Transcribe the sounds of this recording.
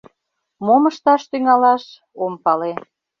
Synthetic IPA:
moməʃt̪ɑʃt̪yŋɑlɑʃ | ompɑle

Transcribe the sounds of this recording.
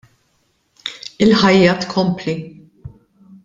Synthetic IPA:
ɪlħɐjːɐt̪kʰɔmpli

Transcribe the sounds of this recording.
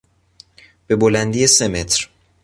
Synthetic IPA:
b̥e̞bolænd̪ijese̞me̞t̪ʰɾ

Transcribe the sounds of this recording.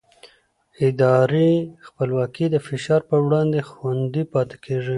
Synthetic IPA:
ɪd̪ɑɾixpəlwɑkid̪əfɪʃɑɾpəwɽɑnd̪exwand̪ipɑt̪e̥kʰeʐi

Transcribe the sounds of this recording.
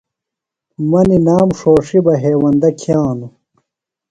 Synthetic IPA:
mɐninaːmʂoːʂibɐɦeːwɐnd̪ɐkʰjãːnu

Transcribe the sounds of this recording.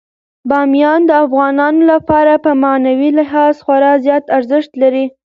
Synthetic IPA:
bɑmjɑnd̪əafɣɑnɑnolapɑɾapəmɑnawilɪɦɑzxwaɾɑzjɑt̪aɾzɪʃt̪laɾi

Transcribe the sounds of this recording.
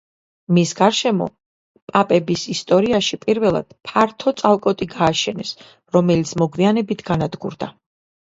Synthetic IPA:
misɡaɾʃɛmɔ̰ | pʼapʼɛbisist̪ʼɔɾiaʃipʼiɾvɛlˠa̰d̪̥pʰaɾt̪ʰɔt̪sʼalˠkʼɔt̪ʼiɡaːʃɛnɛs | ɾɔmɛlit̪sʰmɔɡvianɛbit̪ʰɡ̥anad̪ɡṵɾd̪a

